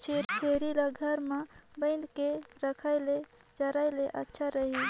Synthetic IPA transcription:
t͡ʃʰeɾt͡ʃʰeɾilaɡʱəɾmebəɪnkeɾəkʰaɪle | d͡ʒəɾaɪleʔətːʃʰaɾəɦi

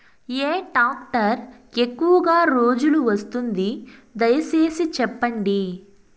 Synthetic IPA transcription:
eːʈaːk̚ʈɐɾ | ekːuʋɐɡaːɾoːd͡ʒuluʋɐst̪und̪id̪ɐjɐse̞ːsit͡ʃɛpːɐɳɖi

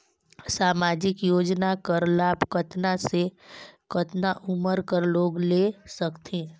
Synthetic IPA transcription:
saːmaːd͡ʒɪkjoːd͡ʒnakəɾlaːbkət̪nasekət̪naʔʊməɾkəɾloːɡlesəkt̪ʰẽː

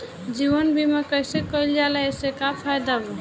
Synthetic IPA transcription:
d͡ʒiʋənbʱimekəjsekəild͡ʒalɛesekapʰajd̪abɔ

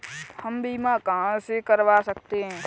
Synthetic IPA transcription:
həmbʱiːmakaɦãsekəɾʋasəkt̪eɦɛ̃ː

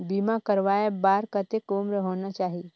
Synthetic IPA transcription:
bimakəɾʋaːebaːɾkət̪ekoːmɾəɦoːnat͡ʃaːɦi

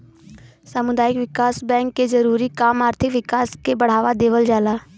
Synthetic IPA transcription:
samʊd̪aːjɪkʋɪkaːsbɛ̃ːŋkːezɐɾuːɾikaːmaːɾt̪ʰɪkʋɪkaːskebɐɽ̤aːʋad̪eːʋəld͡ʒaːlaː

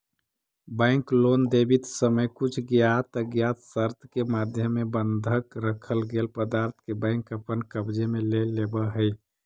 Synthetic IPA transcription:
bə̃ɪ̃klond̪ebit̪səməjkut͡ʃʰɡjat̪əɡjat̪səɾt̪ʰkemad̪ʱjəmːebənd̪ʱəkɾəkʰəlɡelpəd̪aɾt̪ʰkebə̃ɪ̃kəpənkəbd͡ʒemelelːebəɦəj

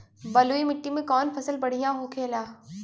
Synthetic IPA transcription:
bɐloːimɪʈːimẽkɔːnfʰɐsəlbɐɽ̤ijãɦokʰeːlaː

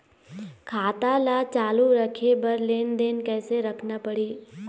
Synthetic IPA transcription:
kʰaːt̪alaːt͡ʃaːluɾɐkʰebɐɾleːnd̪eːnkɛːseɾɐkʰnapəɽiː

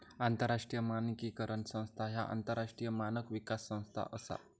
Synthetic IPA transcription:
ant̪əɾːaʂʈɾijəmanikiːkəɾʔəɳsə̃w̃st̪ʰaɦja̰ʔa̰nt̪əɾaʂʈɾijəmanəkʋikasːə̃w̃st̪ʰa̰ʔəsa̰

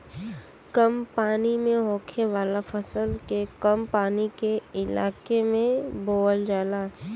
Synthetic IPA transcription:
kɐmpaːnimẽɦoːkʰeʋaːlafʰəsəlkekɐmpaːnikeɪla̰ːkemẽboːəld͡ʒaːlaː

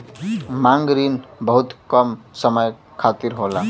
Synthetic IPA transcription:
maŋɡɾinbəɦut̪kəmsəməj | kʰat̪iɾɦola

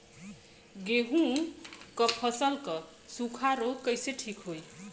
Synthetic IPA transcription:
ɡeɦũkʌpʰʌsʌlkʌ | sukʰaɾokʌjseʈʰikɦoj

